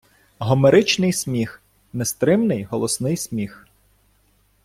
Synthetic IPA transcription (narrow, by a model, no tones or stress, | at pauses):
ɦɔmeɾɪt͡ʃnɪjsʲmʲix | nest̪ɾɪmnɪjɦɔlˠɔsnɪjsʲmʲix